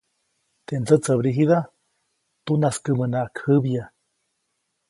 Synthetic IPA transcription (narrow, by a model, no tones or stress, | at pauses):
t̪end͡zət͡səβɾiɦiða | t̪unaskɨmənakʰɨβja